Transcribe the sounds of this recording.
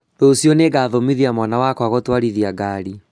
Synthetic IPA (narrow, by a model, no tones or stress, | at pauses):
dosjɔneɡaːðomiðiamwanawakwaɣɔtwaɾiðiaɡaɾi